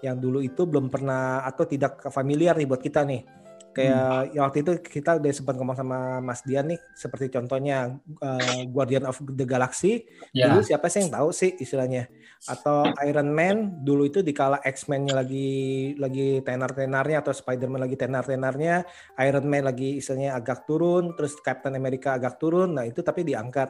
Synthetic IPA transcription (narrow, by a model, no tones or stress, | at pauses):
jaŋduluit̪ubəlompərnahat̪awt̪idak̚familiarnibuat̪kit̪anɪh | kajajaŋwak̚t̪uit̪̬ukit̪audasəmpat̪̚komaŋsamamasdianːɪh | səpərt̪it͡ʃɔnt̪ɔhɲaəɡuardd͡ʒianɔfdəɡalaksi | dulusiapasajaŋt̪ausɪhist̪ilahɲa | at̪awaiɾənmɛnduluit̪udikalaʔɛksmɛnɲalaɡilaɡit̪enart̪enarɲaːt̪awspajdərmɛnlaɡit̪enart̪enarɲa | aiɾənmɛnlaɡiːst̪ilaɲaːɡak̚t̪uɾʊnt̪əɾʊskɛp̚t̪ənameɾikaːɡak̚t̪uɾʊnːahit̪ut̪apidiaŋkat̪̚